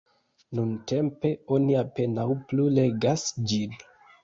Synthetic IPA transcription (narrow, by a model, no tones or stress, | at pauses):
nunte̞mpe̞o̞niape̞nawplule̞ɡasd͡ʒin